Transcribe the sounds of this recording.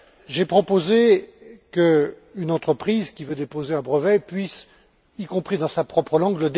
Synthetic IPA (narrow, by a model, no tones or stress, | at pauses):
ʒɛpχɔpozekəynɑ̃t̪χəpχizkʲivød̪epozeɛ̃bʁəvɛpɥis | ikɔ̃pχid̪ɑ̃sapχɔpχəlɑ̃ɡləd̪